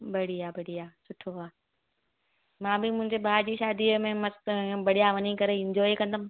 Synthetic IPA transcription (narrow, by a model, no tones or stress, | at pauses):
bɐɽiaːbɐɽiaːsʊʈʰoɦaː | mãːbɪmʊ̃ɦɪ̃ɲd͡ʑebʱaːd͡ʑiʃaːd̪imẽmɐsbɐɽijaʋɐnikɐɾeɪ̃ɲd͡ʑɔːikɐ̃nd̪am